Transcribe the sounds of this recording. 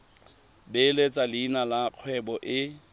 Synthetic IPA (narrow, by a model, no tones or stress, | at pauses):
belet͡sʼalɪːnalaq͡χʰwɛbɔʔɪ